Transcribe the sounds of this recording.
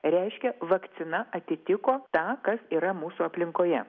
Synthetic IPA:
ɾʲɛɪʃʲkʲɛʋɐkt̪sʲɪnɐʔɐt̪ʲɪt̪ʲɪkoːt̪ɑːkɐsiːɾɐmuːsuːɐpʲlʲɪŋkoːjɛ

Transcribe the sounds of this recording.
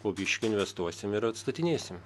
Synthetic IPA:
poːbʲɪʃʲkʲʊɪnʲʋʲɛst̪uɔsʲɪmɪɾɐt̪st̪ɐt̪ʲɪnʲeːsʲɪm

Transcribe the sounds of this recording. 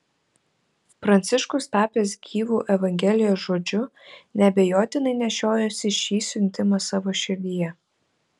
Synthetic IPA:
fɾɐnʲt̪sʲɪʃkʊst̪ɑːpʲeːsɡʲiːʋuːʔɛʋɐŋʲɡʲɛlʲɪjoːsʒoːd͡ʒʲʊnʲɛbʲɛjoːt̪ʲɪnɐɪnʲɛʃʲoːjɛsʲɪʃʲiːsʲʊnʲt̪ʲɪmɐsɑːʋoːʃʲɪɾʲd̪ʲijɛ

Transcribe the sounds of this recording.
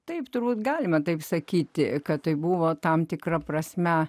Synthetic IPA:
t̪ɐɪpt̪ʊrbuːt̪ɡɑːlʲɪmɐt̪ɐɪpsɐkʲiːt̪ʲɪkɐtt̪ɐɪbuʋoːt̪ɐmt̪ʲɪkrɐprɐsʲmʲɛ

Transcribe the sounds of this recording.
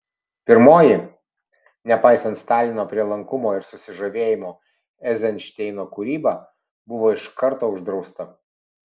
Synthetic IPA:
pʲɪɾmoːjɪ | nʲɛpɑɪsɐnt̪st̪ɑːlʲɪnoːpʲɾʲiɛlˠɐŋkʊmoːɪɾsʊsʲɪʒoʋʲeːjɪmoː | ɛzʲɛnʲʃʲt̪ʲɛɪnoːkʊɾʲiːbɑː | bʊʋoːɪʃkɐɾt̪oːʊʒd̪ɾɒʊst̪ɐ

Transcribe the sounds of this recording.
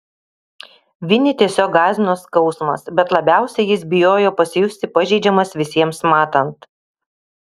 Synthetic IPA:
ʋʲɪnʲɪt̪ʲiɛsʲoːk̚ɡɑːzʲɪnoːskɐʊsmɐ̰sbʲɛt̪lˠɐbʲæˑʊsʲɛɪjɪsbʲɪjoːjoːpɐsʲɪjʊsʲt̪ʲɪpɐʒʲɛɪd͡ʒʲɛmɐsʋʲɪsʲiɛmsmɑːt̪ɐnt̪

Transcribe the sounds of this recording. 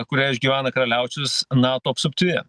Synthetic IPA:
kʊɾʲæːɪʒʲɡʲiːʋʲæːnɐkɾɐlʲæˑʊt͡ʃʲʊsnɑːt̪oːɐpst̪ʊp̚ʲt̪ʲiɛ

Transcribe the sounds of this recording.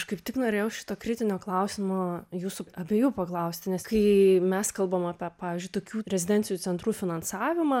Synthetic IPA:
ʃkɐɪpt̪ʲɪknoːɾʲeːjɛʊʃʲɪ̥t̪oːkɾʲɪt̪ʲɪnʲoːklˠɐʊsʲɪmojuːsʊɐbʲeːjuːpɐklˠɐʊsʲt̪ʲɪnʲɛskɐɪmʲɛskɐlˠbɐmɑːpʲɛpɑːʋʲɪzʲd͡ʒʲʊɪt̪oːkʲuːɾʲɛzʲɪd̪ʲɛnʲt͡sʲɪjuːt͡sʲɛnt̪ɾuːfʲɪnɐnsɑːʋʲɪmɐː

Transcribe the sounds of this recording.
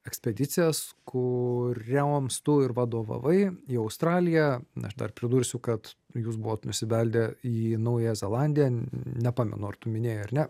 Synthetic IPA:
ɛksʲpʲɛd̪ʲɪt̪sʲɪjɛskʰʊɾʲɛɐmst̪ʊɪɾʋɑd̪oːʋɐ̰ʋɐɪiːɐʊst̪ɾɑːlʲɪjæɐ̰ʃd̪ɐ̰rpʲɾʲɪd̪uːɾʲsʲʊkɐt̪juːsbʊʋoːt̪nʊsʲɪʋʲɛlʲd̪ʲɛiːnɐʊjzʲɛlˠɑnʲd̪ʲɪjɛnʲɛpɑːmʲɛ̰nʊɐrt̪ʊmʲɪnʲeːjɛɐɾnʲɛ

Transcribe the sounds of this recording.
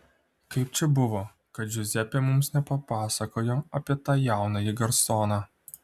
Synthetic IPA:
kɐɪp̚t͡ʃʲɛbʊʋoː | kɐt̪d͡ʒʲʊzʲɛpʲemʊmsnʲɛpɐpɑːsɐkoːjoːɐpʲiɛt̪ɑːjæˑʊnɐjɪɡɐɾsoːnɑː

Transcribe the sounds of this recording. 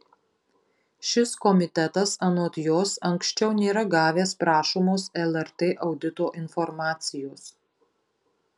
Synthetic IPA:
ʃʲɪskɔmʲɪt̪ʲɛt̪ɐsɐnɔːt̪ʲjoːsɐŋksʲt͡ʃʲɛʊnʲeːɾɐɡɑːʋʲeːspɾɑːʃoːmoːsɛlˠɛɾt̪eːʔɒʊd̪ʲɪt̪oːʔɪnfɔɾmɑːt̪sʲɪjoːs

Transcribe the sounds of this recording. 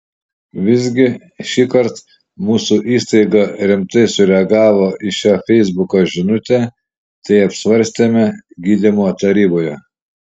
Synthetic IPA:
ʋʲɪzʲɡʲɪ | ʃʲiːkɐɾt̪ | muːsʊʔiːst̪ɐɪɡɐɾʲɪmt̪ɐɪsʊɾʲɛɐɡɑːʋoːʔɪʃʲoːfʲɛɪzbʊkoːʒʲɪnʊt̪ʲeː | t̪ɛɪɐpsʲʋɐɾʲsʲt̪ʲemʲɛɡʲiːd̪ʲɪmoːt̪ɐɾʲiːboːjo

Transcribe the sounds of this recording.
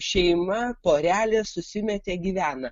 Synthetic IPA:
ʃʲɛɪmɐpoːɾʲæːlʲeːssʊsʲɪmʲɛt̪ʲeːɡʲiːʋʲæːnɐ

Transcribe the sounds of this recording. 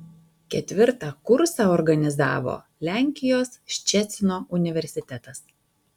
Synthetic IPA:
kʲɛt̪ʲʋʲɪɾt̪ɑkʊɾsɑɔɾɡɐnʲɪzɑ̰ːʋo̰ː | lʲæˑŋʲkʲɪjoːsʃʲt͡ʃʲɛt̪sʲnoːʊnʲɪʋʲɛɾʲsʲɪt̪ʲɛt̪ɐs

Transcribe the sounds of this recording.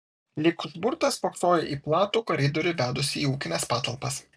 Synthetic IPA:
lʲɪkʒbʊɾt̪ɐspoːkst̪oːjɛʔiːplˠɑːt̪uːkɔɾʲɪd̪ɔɾʲʊʋʲæːd̪ʊsʲɪiːuːkʲɪnʲɛspɑːt̪ɐlˠpɐs

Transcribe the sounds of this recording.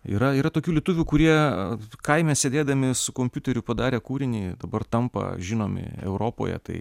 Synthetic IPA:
ḭɾɐiːɾɐt̪oːkʲuːlʲiɛt̪ʊʋʲuːkʊɾʲiɛkɐɪmʲeːsʲeːd̪ʲeːd̪ɐmʲɪsʊkoːmʲpʲʊt̪ʲɛɾʲʊpɐd̪ɑːɾʲeːkuːɾʲɪnʲiːd̪ɐbɐrt̪ɐmpɐ̰ʒʲɪnoːmʲɪ̰ɛ̰ʊɾoːpo̰ːjɛ̰t̪ɐɪ

